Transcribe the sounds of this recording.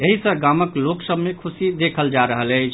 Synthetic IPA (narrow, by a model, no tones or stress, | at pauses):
eɦisə̃ɡaməkloksəbʱmekʰusid̪ekʰəld͡ʒaɾəɦələt͡ʃʰ